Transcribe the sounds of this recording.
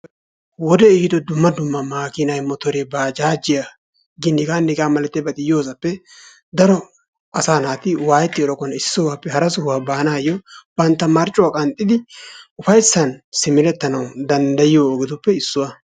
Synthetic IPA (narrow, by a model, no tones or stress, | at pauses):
wɔd̪ɛiːd̪ɔd̪ʊmːɐd̪ʊmːɐmaːkɪnɐjmɔt̪ɔɾebaːd͡ʒaːd͡ʒɪja | ɡɪnːɪɡaːnːɪɡaːmɐlɛt̪ːɛbɐt̪ʼɪjːoːsɐpːɛ | d̪ɐɾɔ | ɐsaːnaːt̪ɪwaːjɛt̪ːɪɔɾɔkːɔnɐɪsːʊwaːpːɛhɐɾɐsʊhwaːbaːnaːjːɔb̥ɐnt̪ːɐmɐɾt͡ʃʼːʊwaːkʼɐnt̪ʼːɪd̪ɪʊfɐjsːɐnsɪmɪɾɛt̪ːɐnɐwd̪ɐnd̪ɐjɪjoːɡɛt̪ʊpːɛɪsːʊwa